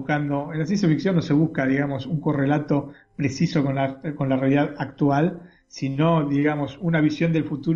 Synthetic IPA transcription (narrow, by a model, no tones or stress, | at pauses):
ukand̪oenlas̬jensjafiksjo̞nːose̞β̞uhkaðiɣamo̞suŋkorelat̪o̞ | pɾe̞sisokoakonlarealiðaðak̚t̪wal | sinoðiɣamosunaβisjo̞nd̪e̞lfut̪u